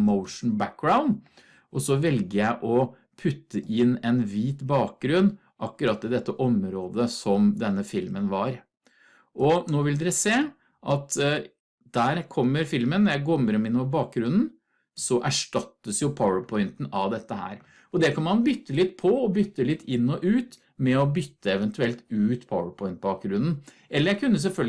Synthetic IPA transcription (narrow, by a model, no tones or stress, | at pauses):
məʊʂn̩bæk̚ɡɹaʊnd̪ | ʔɔsɔʋɛlɡəjæɪʔɔ | pʰʉt̪ːəʔɪnːɛnʋiːt̪bɑːk̚ɡɾʉn | ʔɑkːʉɾɑt̪ːɪd̪ɛt̪ːəʔɔmɾoːd̪əsɔmd̪ɛnːəfɪlmənʋɑɾ | ʔɔnoːʋɪld̪ɛɾəseː | ʔɑt̪ | d̪̥æːɾkʰɔmːəɾfɪlmənːɔɾjæɪɡoːmɾɔmɪnːɔəbɑːk̚ɡɾʉnn̩ | sɔʔæʂʈɑt̪ːəsjʊpʰaʊəpʰɔʏɪnt̪n̩ɑʋd̪ɛt̪ːəhæ̰ːɾ | ɔd̪ɛkʰɑnmɑnbʏt̪ːəlɪt̪pʰɔɔbʏt̪ːəlɪt̪ːɪnːɔʔʉːt̪ | mɛɔbʏt̪ːəɛʋɛnt̪ʰʉɛlt̪ʉːt̪pʰaʊəpʰɔɪnt̪̚bɑːk̚ɡɾʉnn̩ | ʔɛlːəɾjæɪkʰʉnːəs̬ɛlfœlɡ